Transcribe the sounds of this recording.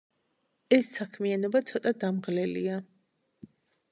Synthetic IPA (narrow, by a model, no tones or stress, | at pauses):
ɛsːakʰmianɔbat̪sʰɔt̪ʼad̪amʁlɛlḭa